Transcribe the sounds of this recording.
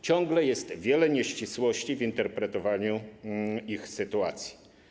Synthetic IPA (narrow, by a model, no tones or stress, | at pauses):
t͡ɕɔŋɡlɛjɛst̪vʲjɛlɛɲɛɕt͡ɕiswɔɕt͡ɕivint̪ɛɾpɾɛt̪ɔvaɲu | ixsɘt̪uat̪sʲji̥